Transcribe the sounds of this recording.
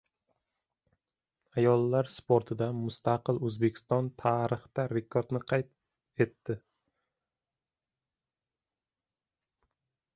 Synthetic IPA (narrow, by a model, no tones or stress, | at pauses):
ajɒlˠːaɾspʰoɾt̪ʰɪd̪amʊst̪aqɨlˠɵzbe̞kʲʰɪ̥st̪ɒnt̪ʰaːɾɨχt̪aɾe̞kʰoɾd̪nɪqʰɑjt̪̚ | e̞t̪ːɪ